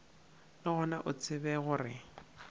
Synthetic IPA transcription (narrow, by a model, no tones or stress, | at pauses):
nɔɣʊnaʔʊt͡sʰʼɪbɛɣʊrɪ